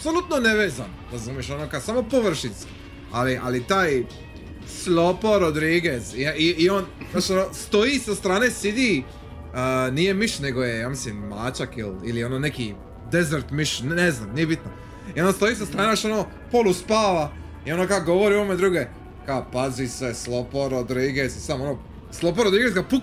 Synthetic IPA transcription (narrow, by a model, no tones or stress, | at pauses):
apsolˠut̪noneʋeːzan | ɾazumjeʃonokasamo̞poʋr̩ʃinski̥ | aliʔa̰lit̪aːj | slopoɾod̪ɾiɡesiiionjoʃonoːst̪o̞jisast̪ɾaːnesid̪i | ənije̞miʃne̞ɡo̞je̞jaːmislimːaːt͡ʃakḭlilio̞noːneki | d̪ezeɾt̪miʃneznaːmnije̞bit̪no | ionst̪o̞iːsast̪ɾaːneoʃo̞noː | poluspaːʋa | io̞nokaɡo̞ʋoɾiuoomed̪ɾuɡe | kaopaziseslopoɾod̪ɾiːɡezsamonoː | slˠop̬oɾod̪ɾiːɡezkapu